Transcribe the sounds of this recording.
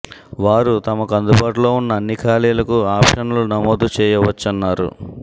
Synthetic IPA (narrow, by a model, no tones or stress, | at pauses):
ʋaːɾut̪ɐmɐkuɐnd̪ubaːʈulo̞ːunːɐːnːikʰaːliːjlɐkuaːpʂɐnulunɐmoːd̪ut͡ʃɛːjɐʋɐt͡ʃːɐnːaːɾṵ